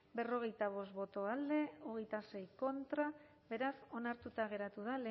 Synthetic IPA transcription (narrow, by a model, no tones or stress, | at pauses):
be̞ro̞ɣ̞e̞jt̪aβ̞o̞sbo̞t̪o̞ald̪e̞oɣ̞e̞jt̪ase̞jko̞nt̪ɾa | be̞ɾaso̞naɾt̪ut̪aɣ̞e̞ɾat̪uð̞ale